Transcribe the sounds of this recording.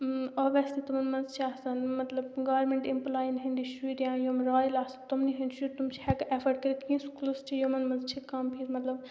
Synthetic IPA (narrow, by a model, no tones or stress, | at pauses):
ɔʋɐst̪it̪umɐnmɐnzt͡ʃʰiaːsɐnmɐt̪lɐbɡaːʋɾmẽɳʈimplaːjinɦinɖ̪iʃuɾjãːjomɾaːjlaːsɐnt̪umniɦɐ̃nɖʃuɾt̪umt͡ʃʰihɛkʔefɐɖ̚kɐɾit̪ʰkʰĩnskulst͡ʃʰijomɐnmɐnzt͡ʃʰikɐmpʰiɾmɐt̪lɐb